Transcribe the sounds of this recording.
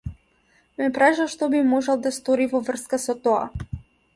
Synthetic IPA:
mɛpɾaʒaʃt̪ɔbimɔʒɛlˠd̪ast̪ɔɾivɔvr̩skasɔt̪ɔa̰

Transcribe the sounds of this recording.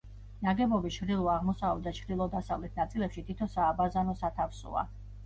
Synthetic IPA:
naɡɛbɔbit͡ʃʰɾd̪ilˠɔaʁmɔsavɛd̪at͡ʃʰɾilˠɔd̪asavlɛt̪ʰnat̪sʼilɛpʃit̪ʰit̪ʰɔsaːbazanɔsat̪ʰafsṵa̰

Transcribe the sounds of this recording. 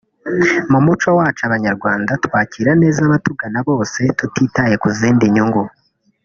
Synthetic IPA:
mumut͡ʃowaːt͡ʃaβaɲaɾɡwaːndatwaːciɾane̞ːzaβatuɡanaβo̞ːse̞tutiːtaje̞kuziːndiɲuŋɡu

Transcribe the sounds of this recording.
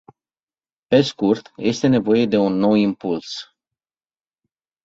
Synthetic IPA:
pe̞skurt̪je̞st̪e̞ne̞vo̞je̞d̪e̞unːo̞wimpuls

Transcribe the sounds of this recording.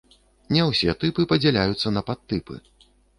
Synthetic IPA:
nʲɛwsʲɛt̪ɨpɨpɐd͡zʲɛlʲajut̪sːɐnɐpat̪ːɨpɨ̰

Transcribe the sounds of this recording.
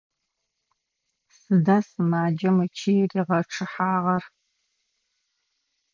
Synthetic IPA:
sɨdaːsɨmaːd͡ʒɐmɨt͡ʃʰiriʁɐʈ͡ʂʰɨħaːʁɐr

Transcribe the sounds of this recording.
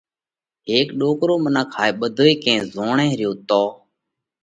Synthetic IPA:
ɦeːkɗoːkɾoːmənaːkʰaːeːɓəd̪ʱoːeːkẽːzoːɳẽːɾɪjoːt̪oː

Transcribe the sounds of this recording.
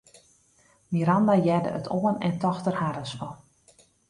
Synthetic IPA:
miɾandajɛdə̰ʔə̰tʰoənɛntɔxtərhaɾəsfɔ

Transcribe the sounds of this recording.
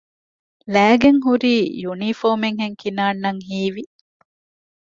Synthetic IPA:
læːɡeŋɦuɾiːjunifoːmeŋɦeŋkinaːnːɐŋɦiːʋi

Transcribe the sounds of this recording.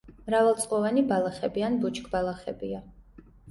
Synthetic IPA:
mɾavɛlˠt̪sʼqʼɔvanibalˠaχɛbianbut͡ʃʰkʼbalˠaχɛbia

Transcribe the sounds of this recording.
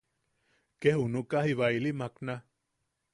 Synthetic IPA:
kehunukahiβailimakna

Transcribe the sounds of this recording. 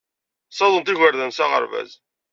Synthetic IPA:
sˤɑðˤənt̪iʝəɾðænsaʁə̰ɾvæ̰z

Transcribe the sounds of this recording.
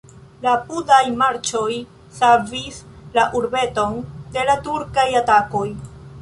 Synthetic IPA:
lapudajmaɾt͡ʃo̞j | savislaʔuɾbe̞to̞nde̞latuɾkajatako̞j

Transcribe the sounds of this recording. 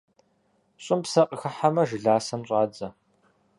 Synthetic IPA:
ɕʼɪmpsɐqʼəxɐħamɐʒɪɮaːsɐmɕʼɑːd͡zɐ

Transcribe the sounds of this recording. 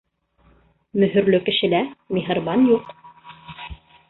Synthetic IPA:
mɵ̆ɦɵ̆ɾlɵkɘ̆ʃɘ̆læmiɦɤ̆ɾβɑnjuq

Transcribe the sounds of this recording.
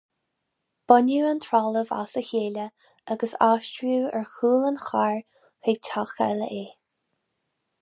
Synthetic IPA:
b̥ɔnuənt̪ʰɹaləva̰səçeːlə | aɡəsaːʃt͡ʃɹuːɛɹxuːlənxaɹ | heɡ̚tʰaxa̰lə̰ʔeː

